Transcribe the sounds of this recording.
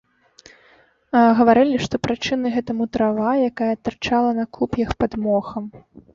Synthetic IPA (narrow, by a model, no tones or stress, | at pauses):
aɣɐvaɾɨlʲiʂt̪ɔpɾɨt͡ʂɨnɨɣɛt̪ɐmut̪ɾavajakajɐt̪ɨrt͡ʂalˠɐnɐkupjɐxpad̪mɔxɐm